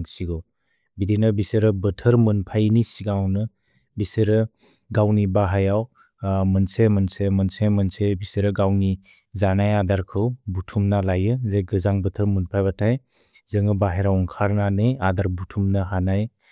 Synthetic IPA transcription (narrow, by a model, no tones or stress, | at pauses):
siɡɔ | bidinɯbiseɾɯbətʰəɾmɯnpʰajnisiɡawnɯ | biseɾɯ | ɡawnibaɦajaw | mɐnsemənsemɐnsemənsebiseɾɯɡawni | zanajadaɾkʰɯwbutʰumnalajɯzeɡɯzaŋbətʰɯɾmunpʰajbatʰaj | zɯŋɯbaɦeɾawɔŋkʰaɾnanɯjadaɾbutʰumnaɦanaj